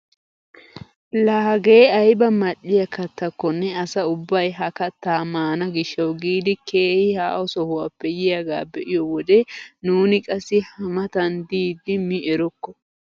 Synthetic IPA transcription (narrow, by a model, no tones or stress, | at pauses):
lɐːɡeːɐjbɐmɐᶑːɪjɐkɐt̪ːɐkːɔnːɛɐsɐʊbːɐjɦɐkɐt̪ːaːmaːnɐɡɪʃːɐwɡiːd̪ɪkʰe̞ːhɪhaːʔɔsɔhʊwapːɛjɪjɐɡa̰ːbɛʔɪjɔwɔd̪ɛnuːnɪkʼɐsːɪhɐmɐt̪ɐnd̪iːd̪ːɪmɪʔɛɾɔkːɔ